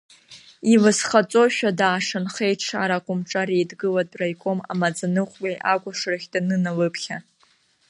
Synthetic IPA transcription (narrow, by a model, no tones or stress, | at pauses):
ilɨsχat͡sʼo̞ʃᶣadaːʂanχejʈ͡ʂʰa̰ɾakʷʼʊmʈ͡ʂʼaɾejdɡɨladʼrajkʷʼo̞ma̰mad͡zanɨχʷʼɡijʔakʷʼaʂraχʲdanɨnalɨpʰχʲa